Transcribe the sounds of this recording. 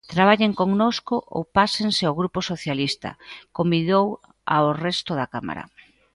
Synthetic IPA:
t̪ɾaβ̞aʎeŋkoŋnoskʊʔo̰wpaseŋseaoɣɾuposoθjalist̪ɐ̰kombiðow | a̰orɛst̪ʊðɐkama̰ɾɐ̰

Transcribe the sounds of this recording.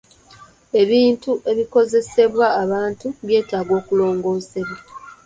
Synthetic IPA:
e̞βiːntuʔe̞βiko̞ze̞se̞βwaːβaːntuβje̞ːtaːɡo̞ːkulo̞ːŋɡo̞ːse̞βwa

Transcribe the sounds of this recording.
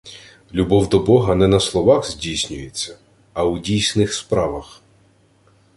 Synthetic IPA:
lʲubɔwd̪ɔbɔɦɐnɛnɐslˠɔʋɑxzʲdʲijsʲnʲʊjet͡sʲːɐ | ɐwdʲijsʲnɪxspɾɑʋɐx

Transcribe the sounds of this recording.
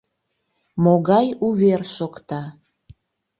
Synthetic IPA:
moɣɑjuβerʃokt̪ɑ

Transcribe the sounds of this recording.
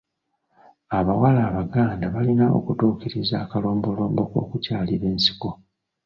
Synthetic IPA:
aβawalaːβaɡaːndaβalinao̞̰kutuːkiɾizaːkalo̞ːmbo̞lo̞ːmbo̞ko̞̰ːkucaːliɾe̞ːnsi̥ko̞

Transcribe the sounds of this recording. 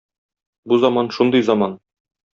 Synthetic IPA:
buzɑmɑnʃund̪ɤjzɑmɑn

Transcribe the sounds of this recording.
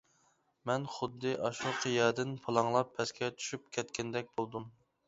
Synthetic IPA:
mɛnχʊd̪ːɨʔɑʃuqʰəjɛd̪ɪnpʰɑlˠɑŋlˠɑpʰːɛskʲɛt͡ʃʰy̥ʃyp̚kʲʰɛt̪̚kʲʰɛnd̪ɛk̚ʲbolˠd̪um

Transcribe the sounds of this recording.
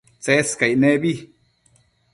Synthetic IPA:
t͡seskajnebi

